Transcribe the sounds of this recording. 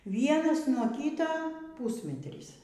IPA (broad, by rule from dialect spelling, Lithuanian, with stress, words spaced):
ˈʋʲiɛnɐs nuɔ ˈkʲiːtɐ ˈpuːsʲmʲɛtʲrʲiːs